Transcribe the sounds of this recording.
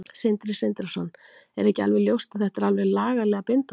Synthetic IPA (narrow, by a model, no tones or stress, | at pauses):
sent̪ɾɪsɛnt̪ɾasɔnːɛɾɛhcɪalvɛɣljowst̪ḁθɛht̪aɾalvɛɣlaːɣalɛːɣapent̪a